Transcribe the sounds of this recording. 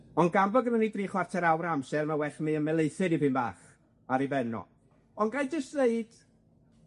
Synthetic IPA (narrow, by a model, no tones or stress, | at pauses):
ɔnɡambɔɡənənidriːχwartʰɛɾawɾamsɛɾmawɛɬmiːəmɛlˠeɨθɨdibɨnba̰ːχ | aɾibɛnɔ̰ | ɔnɡajdəstðeɨd̥